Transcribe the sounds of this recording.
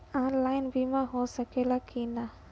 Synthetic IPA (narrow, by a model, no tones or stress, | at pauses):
ãnlajnbʱimãɦosəkelakina